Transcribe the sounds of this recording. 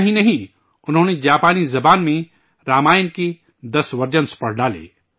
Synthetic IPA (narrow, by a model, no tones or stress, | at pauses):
ɦĩnɐɦĩ | ʊnɦõːned͡ʒaːpaːnizɐbaːnmẽ | ɾaːmaːjnki | d̪ɐsʋɐɾd͡ʒənspɐɽ̤ɖaːlḭː